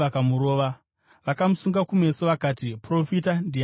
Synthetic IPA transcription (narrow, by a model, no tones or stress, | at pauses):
akamuɾo̞ːʋa | ʋakamusuŋɡakume̞soʋakaːtipro̞fitandi